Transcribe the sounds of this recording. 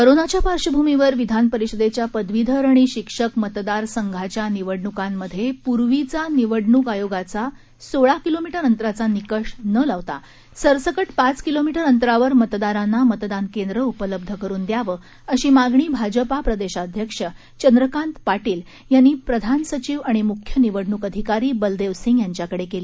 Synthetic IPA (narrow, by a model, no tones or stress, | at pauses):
kəɾonat͡ɕjapaɾʂəbʱumiʋəɾʋid̪ʱanpəɾiɕəd̪et͡ɕjapəd̪ʋid̪ʱəɾaɳ̃iɕikʂəkmət̪d̪aɾsəŋɡʱat͡ɕjaniʋəɽɳukamːəd̪ʱːjepuɾʋit͡saniʋəɽɳuːkajoɡat͡sa | soɭakilomiʈəɾənt̪ɾat͡sanikəʂnəlaʋt̪a̰ | səɾsəkəʈpat͡skilomiʈəɾənt̪ɾaʋəɾmət̪d̪aɾanːamət̪d̪ankend̪ɾəupələb̚d̪ʱəkəɾuːnd̪jaʋəː | əɕiːmaɡɳiːbʱad͡ʑəpapɾəd̪eɕad̪ʱjəkʂə | t͡ɕənd̪ɾəkãnt̪paʈiːl | janːiːpɾəd̪ʱansət͡ɕiːʋaɽ̃imukʰjəniʋəɽɳuːkəd̪ʱikaɾiːbəld̪eʋsiŋɡjaɲt͡ɕjakəɽekeliː